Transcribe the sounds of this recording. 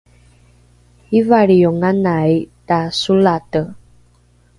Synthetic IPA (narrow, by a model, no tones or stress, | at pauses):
ivaɭijoŋanajtasulatə